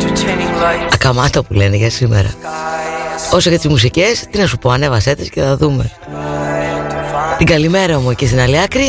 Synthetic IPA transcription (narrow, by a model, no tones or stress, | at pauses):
ɐkɐmɐt̪ɐpule̞neʝɐsimḛɾɐ̰ | o̞socet̪izmus̬ice̞st̪inɐsupo̞ɐne̞vɐset̪esce̞θɐðume̞̰ | t̪iɡɐlime̞ɾɐomocest̪inɐliɐkɾi